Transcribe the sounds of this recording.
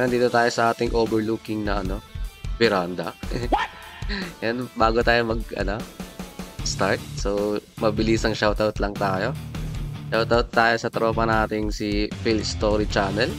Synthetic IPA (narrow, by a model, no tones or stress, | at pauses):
nɐnd̪iːt̪ot̪aːjosɐʔaːt̪ɪŋʔoːbɛɹlukɪŋnɐʔɐno̞bɛɾand̪ɐ̰ | janbaːɡot̪aːjomɐɡ̚ɐ̰no̞ | st̪aɹt̪̚sowmɐbɪlisɐŋʃawt̪awt̪lɐŋt̪aːjo̞ | ʃawt̪awt̪̚ːaːjosɐt̪ɾoːpɐnaːt̪ɪŋsifilst̪oːɾit͡ʃaːnɛl